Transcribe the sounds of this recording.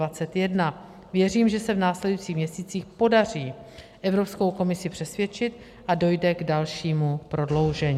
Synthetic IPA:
at͡sɛt̪jɛdna | vjɛriːmʒɛsɛvnaːslɛdujit͡siːxmɲɛsiːt͡siːxpo̞dar̝iː | ʔɛvɾo̞psko̞wko̞mɪsɪpr̥ɛsvjɛt͡ʃɪt̪ | ʔado̞jdɛɡdalʃiːmupɾo̞dlowʒɛɲː

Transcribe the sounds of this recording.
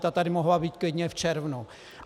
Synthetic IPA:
t̪at̪adɪmoɦlabiːt̪̚klɪdɲɛft͡ʃɛɾvnu

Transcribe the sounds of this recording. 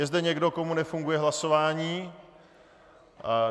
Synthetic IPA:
jɛzdɛɲɛɡdo̞ko̞munɛfuŋɡujɛɦlaso̞vaːɲiː

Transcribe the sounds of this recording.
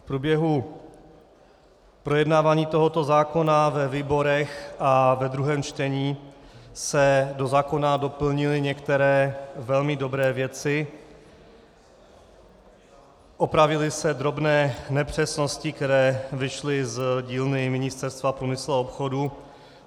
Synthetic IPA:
fpɾubjɛɦu | pɾo̞jɛdnaːvaːɲiːt̪o̞ɦo̞t̪o̞zaːko̞navɛviːbo̞ɾɛxʔavɛd̪ɾuɦɛːmt͡ʃt̪ɛɲiːsɛdo̞zaːko̞nado̞pl̩ɲɪlɪɲɛkt̪ɛɾɛːvɛlmɪdo̞bɾɛːvjɛt͡sɪ | ʔopɾavɪlɪsɛd̪ɾo̞bnɛːnɛpr̝̥ɛsno̞scɪkt̪ɛɾɛːvɪʃlɪzɟiːlnɪmɪɲɪst̪ɛɾst̪vapɾuːmɪsluaopxo̞du

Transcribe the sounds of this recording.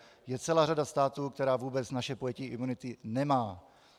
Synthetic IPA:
jɛt͡sɛlaːɾadast̪aːt̪uːkt̪ɛɾaːvuːbɛt͡snaʃɛpojɛciʔɪmunɪt̪ɪnɛmaː

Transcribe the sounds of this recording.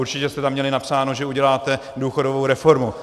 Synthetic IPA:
uɾt͡ʃɪcɛst̪ɛt̪amːɲɛlɪnapsaːnoʒɛuɟɛlaːt̪ɛ | duːxo̞dovo̞wɾɛfo̞ɾmu

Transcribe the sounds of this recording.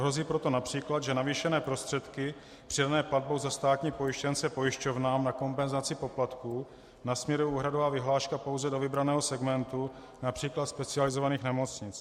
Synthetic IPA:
ɦɾo̞ziːpɾot̪o̞napr̝̥iːklad̪ʒɛnaviːʃɛnɛːpɾo̞st̪r̥ɛt̪kɪ | pr̥ɪdanɛːplad̚bowzast̪aːt̪ɲiːpo̞jɪʃcɛnt͡sɛpo̞jɪʃco̞vnaːmnako̞mpɛnzat͡sɪpo̞plat̪kuː | nasmɲɛɾuʔuːɦɾadovaːvɪɦlaːʃkapo̞wzɛdovɪbɾanɛːɦo̞sɛɡmɛnt̪u | napr̝̥iːklat̪spɛt͡sɪalɪzovaniːxnɛmo̞t͡sɲɪt͡s

